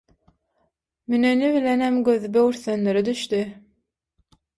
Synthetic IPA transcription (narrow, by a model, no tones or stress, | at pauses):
myneniβilenemɡøðybøwyɾθønløɾid̪yʃt̪y